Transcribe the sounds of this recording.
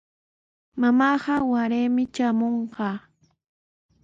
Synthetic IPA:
mamɑɢɑwaɾeːmɪt͡ʃamoɴɢɑː

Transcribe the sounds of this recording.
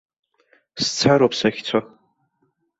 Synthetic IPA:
st͡sʰaɾapʰsaxʲt͡sʷʰa

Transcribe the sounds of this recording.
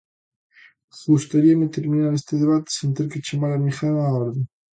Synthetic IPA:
ɣust̪aɾiɐmet̪eɾminaɾest̪eðeβat̪ɪ̥sent̪eɾkɪt͡ʃemaɾamixanaɔɾðe

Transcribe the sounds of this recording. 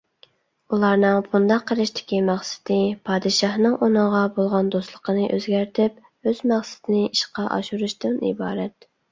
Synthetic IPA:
ulˠɑɾnɨŋbund̪ɑqʰːəɾɪʃt̪ʰɪ̥kʲimæχsɪ̥d̪ɪpʰɑːd̪ɨʃɑhnɨŋʔonəʁɑbolˠʁɑnd̪oslˠəqʰənɨʔø̰zɡʲæɾt̪ʰɪp̚ | øzmæχsɪ̥t̪ʰɪnɪʔiʃqɑʔɑ̰ʃuɾuʃt̪ɪnḭbɑːɾɛt̪

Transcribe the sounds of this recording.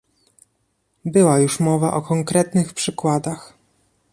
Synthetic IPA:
bɘwajuʂmɔvaʔɔkɔŋkɾɛt̪nɘxpʂɘkwad̪ax

